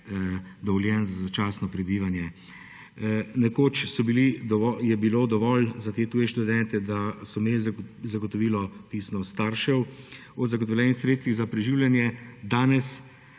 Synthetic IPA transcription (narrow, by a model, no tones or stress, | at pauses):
d̪ɔʋɔljɛnzazat͡ʃaːsnɔpɾɛbiːʋanjɛ | nɛkoːt͡ʃsɔbilid̪ɔɔjɛbiloːd̪ɔʋɔlzat̪eːt̪uːjɛʃt̪ud̪ɛnt̪ɛd̪asɔmelzaɡɔt̪ɔʋiːlɔt̪isnɔst̪aːɾʃɛw | ɔzaɡoɔt̪ɔwljɛːnixsɾet̪st̪ʋiɣzapɾɛʒiːwlʲjanjɛd̪aːnɛs